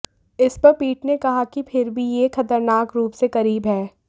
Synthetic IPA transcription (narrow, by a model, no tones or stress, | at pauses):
ɪspɐɾpiːʈnekɐɦakipʰɪɾbʱijexɐt̪əɾnaːkɾuːpsekɐɾiːbɦɛː